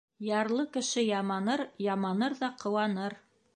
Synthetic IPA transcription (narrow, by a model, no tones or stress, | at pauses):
jɑɾlˠɤkɘ̆ʃɘjɑmɑnɤɾjɑmɑnɤɾðɑqɤ̆wɑnɤɾ